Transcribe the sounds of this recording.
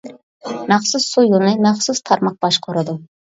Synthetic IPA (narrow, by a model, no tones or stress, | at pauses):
mæχsusːujunɨmæχsust̪ʰɑɾmɑq̚b̥ɑʃqʰoɾɨd̪u